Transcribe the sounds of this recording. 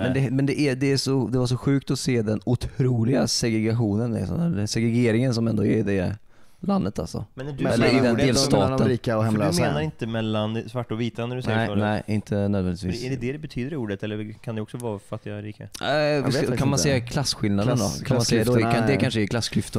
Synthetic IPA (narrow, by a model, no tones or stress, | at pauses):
mɛnd̪ɛmɛnd̪ɛʔɛd̪ɛːʂɔd̪ɛvaɾʂ̬ɔɧʉ̟ːk̚t̪ɔseːd̪ɛnʊt̪ʰɾuːlɪɡasɛɡɾɛɡaɧuːnənɛ̰sɔ̰næːsɛɡɾɛɡeːɾɪŋəns̬ɔmɛnd̪oɛɾd̪ɛ | land̪ət̪a̰lsɔ̰mɛnɛlːəɪd̪ɛnd̪eːlsst̪ɑːt̪əniːkaɔhɛmlːmeːnaɾɪnt̪əmɛlːansvaʈːɔviːt̪anæɖɵʉɛəɛnɛɪʔɪnt̪ʰənøːd̪vɛnɪt̪vḭːsɛɖɛd̪ɛd̪ɛbɛt̪ʰyːd̪əɾuːɖət̪ɛlːəkʰand̪ɛɔksɔvɑːfat̪ːɪɾiːka̰a̰kʰanmansɛjːakʰlasːɧɪlnad̪ənd̪ɔ̰kʰanmasɛjːad̪kad̪ɛkʰanʂ̬əɛkʰlasːkʰɾʏft̪ən